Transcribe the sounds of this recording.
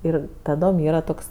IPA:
ˈɪr tɐˈdoːm ˈiːrɐ ˈtoːks

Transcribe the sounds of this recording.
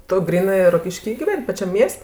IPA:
tʊ ɡrʲiːˈnɜ roːkʲɪʃʲˈkʲiː ɡʲɪˈʋʲɛnʲ pɐˈt͡ʃʲɛm ˈmʲiɛsʲtʲ

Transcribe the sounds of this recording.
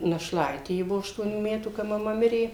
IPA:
nɐʃˈlˠɐɪtʲeː ˈjɪ ˈbʊʋoː ɐʃtuɔˈnʲuː ˈmʲæːtuː kɐ mɐˈmɐ ˈmʲɪrʲeː

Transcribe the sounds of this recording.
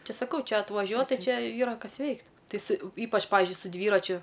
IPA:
ˈt͡ʃʲɪ sɐˈkɐʊ ˈt͡ʃʲɛ ɐtʋɐˈʒʲuɔt ˈtɐɪ ˈt͡ʃʲɛ ˈiːrɐ ˈkɐs ˈʋʲɛɪkt ˈtɐɪ sʊ ˈiːpɐt͡ʃ ˈpɑːʋʲɪzʲd͡ʒʲʊɪ sʊ ˈdʲʋʲiːrɐt͡ʃʲʊ

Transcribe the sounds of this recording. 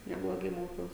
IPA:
nʲɛblˠoːˈɡɐɪ ˈmoːkʲɛʊs

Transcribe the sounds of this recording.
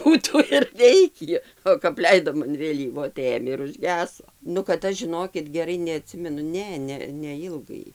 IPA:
ˈbuːtuː ɪr ˈʋʲɛɪkʲiː oː kɐp ˈlʲɛɪdoːm ɐn ʋʲeːˈlʲiːʋoː tɐɪ ˈeːmʲeː ɪr ʊʒʲˈɡʲæːsoː nʊ kɐt ˈɐʃ ʒʲɪˈnoːkʲɪt ɡʲɛˈrɐɪ nʲɛɐˈtʲsʲɪmʲɛnʊ ˈnʲɛ nʲɛ nʲɛˈɪlˠɡɐɪ

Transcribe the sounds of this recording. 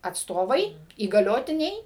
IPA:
ɐtsˈtoːʋɐɪ iːɡɐˈlʲoːtʲɪnʲɛɪ

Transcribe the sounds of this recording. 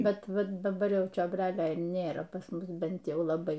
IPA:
ˈbʲɛt ˈʋɐ dɐˈbɐr ˈjɛʊ t͡ʃʲoːbʲˈrʲæːlʲoː ɪr ˈnʲeːrɐ pɐs ˈmʊs ˈbʲɛnt ˈjɛʊ lˠɐˈbɐɪ

